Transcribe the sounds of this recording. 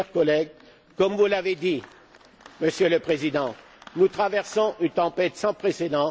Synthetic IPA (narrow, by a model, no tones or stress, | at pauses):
ɛʁkɔlɛɡ̚ | kɔmvulaved̪i | məsjøləpχezid̪ɑ̃ | nut̪χavɛʁsɔ̃ʔynt̪ɑ̃pɛt̪sɑ̃pχesed̪ɑ̃